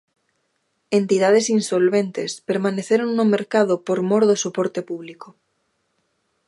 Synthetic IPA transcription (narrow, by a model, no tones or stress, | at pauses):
ent̪iðaðesinsolβent̪espeɾmaneθeɾonnomeɾkaðopoɾmoɾðosopoɾt̪epuβliko